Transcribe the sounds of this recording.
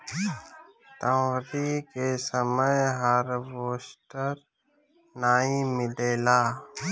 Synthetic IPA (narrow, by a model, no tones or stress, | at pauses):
t̪ə̃ɾikesəməjɦəɾʋoːsʈəɾ | naːĩmɪleːlaː